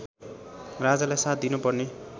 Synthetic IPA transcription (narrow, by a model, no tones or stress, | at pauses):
rad͡zalajsat̪̚d̪inupʌrne